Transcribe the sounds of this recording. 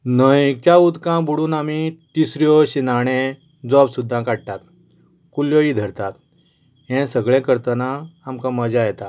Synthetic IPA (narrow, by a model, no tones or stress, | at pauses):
nəikjaud̪kãbuɽuːnamiʈisɾijɔɕinaɽ̃ẽ | d͡zɔbsud̪ʱːãkaɽʈ̪at̪ | kuljojiːd̪ʱəɾt̪at̪ | ɦɛ̃səɡɭɛ̃kəɾt̪ənaːmkaməd͡zajɛt̪a